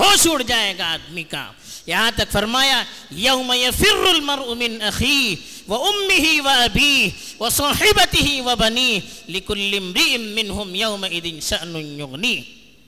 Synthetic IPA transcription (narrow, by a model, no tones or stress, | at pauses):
ɦoːʃuːɽd͡ʒaːeːɡaaːd̪miːka̰ː | jɐɦãt̪ɐkfɐɾmaːjaːjɐwmɐjɐfɪrːʊlmɐɾʔʊmɪnɐxiːɦ | wɐʊmːɪɦiwɐɐbiːh | wɐsɑːħɪbɐt̪ɪɦiwɐbɐniːɦlɪkʊlːɪmɾɪʔɪmːɪnɦʊmjɐwmɐʔɪd̪ɪnʃɐʔnʊnjʊɣniː